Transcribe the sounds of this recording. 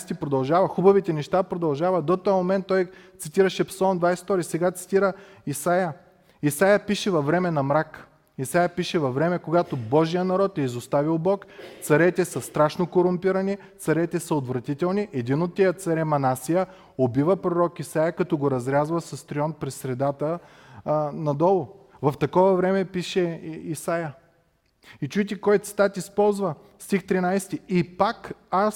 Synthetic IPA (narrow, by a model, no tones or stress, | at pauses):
st̪ipɾod̪ɐlˠʒavɐxubɐvit̪ɛnɛʃt̪apɾod̪ɐlˠʒavɐd̪ɔt̪ojmomɛnt̪ːɔjt̪sit̪iɾəʃɛpsɐlˠmd̪vajsɛ̥t̪ɔɾisɛɡat̪si̥t̪iɾə | isajə | isajəpiʃɛvɐvɾɛmɛnɐmɾak | isajəpiʃɛvɐvɾɛmɛkoɡat̪obɔʒijənɐɾɔt̪ɛizost̪avilˠbɔkt̪sɐɾɛt̪ɛsɐst̪ɾaʃnokoɾʊmpiɾɐni | t̪sɐɾɛt̪ɛsəot̪vɾɐt̪it̪ɛlˠniʔɛd̪inot̪ːɛjət̪sɐɾɛmɐnasijə | obivəpɾoɾɔkisajəkɐt̪ɔɡoɾɐzɾʲazvəsɐst̪ɾiɔnpɾɛsɾɛd̪at̪ə | nɐd̪ɔlˠʊ | vɐft̪ɐkɔvɐvɾɛmɛpiʃɛisajə | it͡ʃuɛt̪ʲɛkɔjt̪si̥t̪at̪ispɔlˠzvə | st̪ixt̪ɾinajst̪iipakas